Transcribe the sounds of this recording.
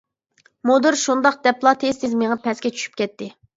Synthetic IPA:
mod̪ɨɾʃund̪ɑqd̪̥ɛplˠɑt̪ʰest̪ʰɪzmeʁəpʰɛskʲɛt͡ʃʰy̥ʃy̥p̚kʲɛt̪ːɪ

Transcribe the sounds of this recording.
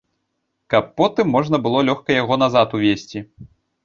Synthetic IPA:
kɐpːɔt̪ɨmːɔʐnɐbɨlˠɔlʲɔxkɐjaɣɔnazat̪uvʲesʲt͡sʲi

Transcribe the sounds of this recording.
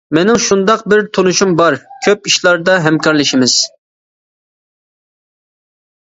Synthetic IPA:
mɛnɪŋʃund̪ɑqbɪɾt̪ʰonuʃumbɑɾkʲʰøp̚iʃlˠɑɾd̪ɑɦɛmkʰɑɾlˠɪʃimɪz̥

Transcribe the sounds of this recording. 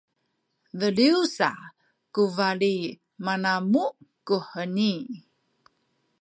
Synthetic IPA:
vəliusa | kuvali | manamukuhəni

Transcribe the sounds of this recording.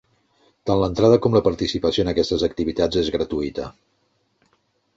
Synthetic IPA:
t̪anlənt̪ɾað̞əkɔmləpəɾt̪isipəsioənəkɛst̪əzək̚t̪iβit̪ad͡zezɣɾət̪uit̪ə̰

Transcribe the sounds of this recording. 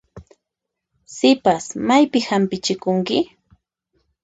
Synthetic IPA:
sɪpasmajpɪhampɪt͡ʃɪkʊŋkɪ

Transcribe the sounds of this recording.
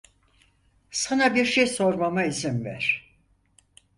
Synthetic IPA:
sanabiɾʃejso̞ɾmamaizimvæ̰ɾ̥

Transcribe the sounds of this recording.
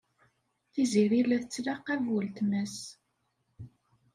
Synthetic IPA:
θiziɾilæθət͡sːlaqːævwəlt̪mæs

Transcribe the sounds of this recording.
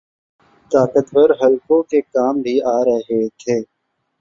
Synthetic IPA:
t̪aːkət̪bəɾɦɐlkõkekaːmbʱiaːɾəɦɦet̪ʰeː

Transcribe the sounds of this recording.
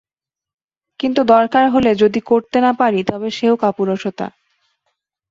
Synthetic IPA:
kint̪ud̪ɔɾkaɾɦoled͡ʑod̪ikoɾt̪enapaɾit̪ɔbeʃeokapuɾoʃot̪a̰

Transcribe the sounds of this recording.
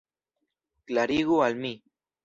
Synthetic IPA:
klaɾiɣoalmi

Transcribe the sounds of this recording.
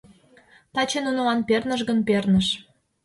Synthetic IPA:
t̪ɑt͡ɕenunolɑnpernəʃɣənpernəʃ

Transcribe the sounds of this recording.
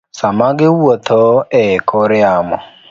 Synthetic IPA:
samaɡɪwwɔtʰɔɛkʰɔɾɪamɔ

